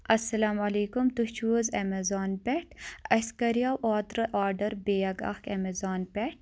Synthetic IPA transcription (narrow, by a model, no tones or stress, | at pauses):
ɐsːɐlaːmɐleːkumt̪ut͡ʃuzemɐzaːnpɛʈʰɐskɐɾijaːwʔaːt̪ɾɨʔaːɾɖɐɾbejɐɡɐ̰xkemezaːnpʲɛʈ